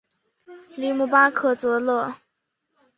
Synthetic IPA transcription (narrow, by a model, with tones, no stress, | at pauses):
li˧˥mu˧˥˩pa˥kʰɤ˥˩t͡sɤ˧˥lɤ˥˩